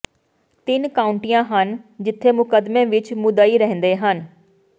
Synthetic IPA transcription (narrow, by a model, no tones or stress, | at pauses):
t̪ɪnkaːũɳʈijãːɦənd͡ʒɪt̪ʰːeːmʊkəd̪mẽːʋɪt͡ʃmʊd̪aːiːɾəɦə̃nd̪eːɦən